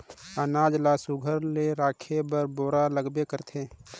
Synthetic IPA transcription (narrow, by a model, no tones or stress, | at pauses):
ənaːd͡ʒlasʊɡʱəɾleɾaːkʰebəɾboːɾaləɡbekəɾt̪ʰeː